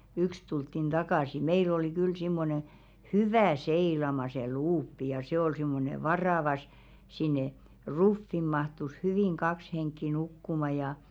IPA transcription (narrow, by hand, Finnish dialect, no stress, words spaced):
yks tultːin d̥ɑkɑˑsi meil oli kyl simːone hyʋæˑ seilɑmɑ se luːpːi jɑ se ol simːone ʋɑrɑˑʋɑ s sinːe rufːim̆ mɑhtus hyʋiˑŋ kɑks heŋkːi nukːumɑ jɑ